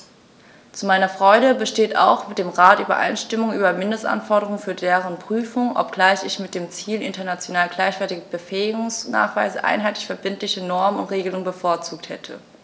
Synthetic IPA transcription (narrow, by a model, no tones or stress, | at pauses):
t͡sumaɪnɐfʁ̥ɔʏɾəbəʃteːta̰ʊxmɪt̚d̥eːmʁaːtʔyːbɐ̰ʔa̰ɪnʃtɪmʊŋʔyːbɐmɪndəstʔa̰nfɔɐdəʁʊŋənfyːɐdeːʁənpʁ̥yːfʊŋʔɔ̰p̚ɡ̥laɪçɪçmɪt̚d̥eːmt͡siːlʔɪntɐnat͡sjonaːlɡlaɪçv̥ɛɐtɪɡəbəfɛːɪɡʊŋsna̰ːχv̥aɪzəʔa̰ɪnɦaɪtlɪçfɛɐbɪntlɪçənɔɐmənʊntʁeːɡəlʊŋənbəfoːɐt͡suːk̚thɛtʰə̰